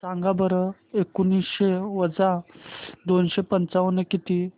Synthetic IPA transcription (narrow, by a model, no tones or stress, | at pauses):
sãŋɡabəɾə | ekunisɕɕeʋəd͡za | d̪onɕepənt͡saʋənekit̪i